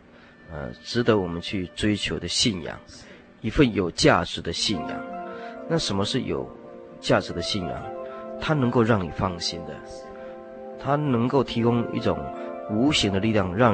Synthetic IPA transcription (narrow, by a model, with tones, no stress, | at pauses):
ə̰˨ʈ͡ʂɻ̩˧˥t̪ə˧˦wɔ˨˩mə˦nt͡ɕʰy˥˩ʈ͡ʂwe˥ɪt͡ɕʰjo˧˥ʊd̪ə˧ɕi˥˩njɑ̰˨˩˦ŋ | i˧˥fə˥˩njo˨˩ʊt͡ɕja˥˩ʈ͡ʂɻ̩˧˥d̪ə˧ɕi˥˩njɑ̰˨˩˦ŋna˥˩ʂə˧˥nmə˧ʂɻ̩˥˩jo̰˨˩ʊ | t͡ɕja˥˩ʈ͡ʂɻ̩˧˥˦d̪ə˧ɕi˥˩njɑ̰˨˩ŋt̪ʰa˥nɤ˧˥ŋko˥˧ʊɻɑ˥˩ŋnḭ˨˩fɑ˥ŋɕi˥nd̪ə̰˨ | t̪ʰa˥nɤ˧˥ŋko˥˩ʊt̪ʰi˧˥kʊ˥ŋḭ˥˩ʈ͡ʂʊ̰˨˩ŋu˧˥ɕi˧˥ŋd̪ə˧li˥˧ljɑ˥˧ŋɻɑ˥˩ŋ